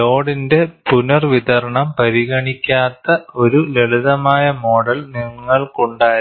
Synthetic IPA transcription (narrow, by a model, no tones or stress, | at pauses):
loːɽinde̞punɐrʋit̪ɐɾɐɳɐmpɐɾiɣɐɳikʲːaːt̪ːɐo̞ɾuleɭiðɐmaːjɐmo̞ːɽɐlniŋŋːɐɭkoɳɖaːj